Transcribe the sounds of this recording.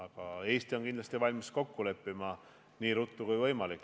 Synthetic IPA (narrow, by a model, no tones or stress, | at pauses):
ɑkɑe̞ːst̪io̞nkind̪lɑst̪ivɑlʲmisko̞kːule̞pːimɑ | niːɾut̪ːukujvɤjmɑlikː